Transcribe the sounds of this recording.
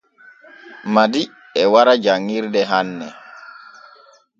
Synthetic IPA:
madi | ɛwaɾad͡ʒaŋːiɾdɛɦanːɛ

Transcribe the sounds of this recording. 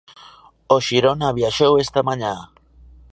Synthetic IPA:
oʃiɾonaβjaʃowest̪amaɲa

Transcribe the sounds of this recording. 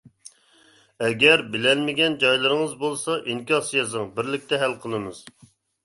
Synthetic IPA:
ɛɡʲɛɾbɪlɛlmɪɡʲɛnd͡ʒɑjlˠɨɾɨŋəzbolˠsɑʔiŋkʲɑsjɑzɨŋbɪɾlɪk̚ʲt̪ɛɦælqʰəlˠɨmɨz̥

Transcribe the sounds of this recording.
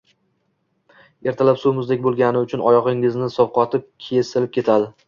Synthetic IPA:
e̞ɾt̪ʰalapsumɪzd̪ek̚ʲbolˠɡʲanɪʊt͡ʃʰʊnɒjɒʁɪŋɪznɪsɒwqɒt̪ʰɪp̚kʲʰe̞sɪlɪp̚kʲʰe̞t̪ʰad̪ɪ

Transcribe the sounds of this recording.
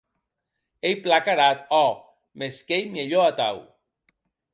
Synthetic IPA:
ejplakaɾat̪ɔ | meskejmeʎoat̪aw

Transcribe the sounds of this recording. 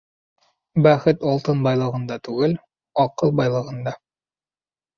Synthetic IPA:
bæχɘt̪ɒlˠt̪ɤnbɑjlˠɤ̆ʁɤ̆nd̪ɑt̪ʉɡɘl | ɒqɤlˠbɑjlˠɤ̆ʁɤ̆nd̪ɑ

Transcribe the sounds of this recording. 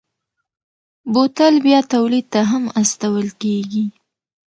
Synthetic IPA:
bot̪əlbjɑt̪awlid̪̚t̪aɦamast̪awəlkeɡi

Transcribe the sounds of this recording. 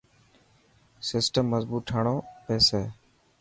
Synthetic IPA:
sɪsʈəmːəzbuːʈʰaːɳõːpɛːseː

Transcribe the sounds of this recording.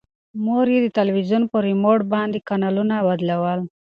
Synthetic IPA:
moɾjed̪ət̪alwizunpəɾimoʈbɑnd̪ekanɑlunawad̪lawəl

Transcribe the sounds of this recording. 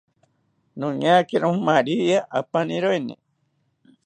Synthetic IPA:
nũɲakeɾõhmaɾiaʔapanĩɾoenḛ̃

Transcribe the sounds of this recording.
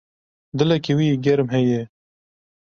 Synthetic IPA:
d̪ɨlɛkiwiːɡɛɾmɦɛjɛ

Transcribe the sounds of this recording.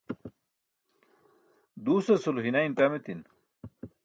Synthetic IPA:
d̪uːsɐsuluɦinainʈamet̪in

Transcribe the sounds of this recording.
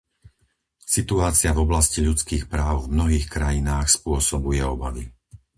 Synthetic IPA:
sit̪uaːt͡sɪavɔblasciʎut͡skiːxpɾaːʊvmnɔɦiːxkɾajinaːxspʊɔsɔbujɛɔbaʋi

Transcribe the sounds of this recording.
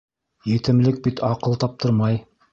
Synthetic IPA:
jɘ̆t̪ɘ̆mlɘk̚bit̪ʰɑqɤlˠt̪ɑp̚t̪ʰɤɾmɑj

